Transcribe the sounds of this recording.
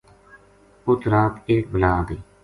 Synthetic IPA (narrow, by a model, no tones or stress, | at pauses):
ʊt̪ɾaːt̪ekbəlaːd̪eː